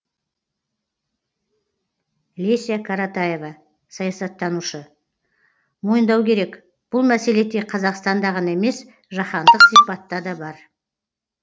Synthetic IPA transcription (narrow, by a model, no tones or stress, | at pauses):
lʲesijakʰaɾat̪aje̞vɑ | sɑjɑsɑt̪ːɑnuʃə | mo̞jənd̪ɑwkʲʰe̞ɾe̞k | b̥ʊlˠmæse̞le̞d̪e̞qʰɑzɑqst̪ɑnd̪ɑʁɑnɑeme̞s | ʒɑχɑnd̪əqsipɑt̪ːɑd̪ɑbɑɾ